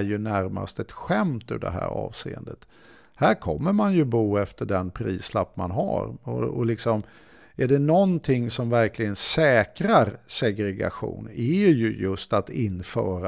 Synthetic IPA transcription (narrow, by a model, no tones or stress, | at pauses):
jɵnæɾma̰st̪ɛt̪ɧɛmt̪ɵɖɛ̰ɦæ̰ːɾɑ̰ːvseːə̰nd̪ət̪ | hæɾkʰɔmːəɾmanjɵbuːɛft̪əɖɛnpʰɾiːslapːmanɦa̰ɾɔ̰ɔlɪksɔm | æɖɛnɔnt̪ʰɪŋːsɔmvæɾklɪɡənsɛːkɾaɾsɛɡɾɛɡa̰ɧṵːnɛjɵjɵst̪at̪ɪnfœːɾa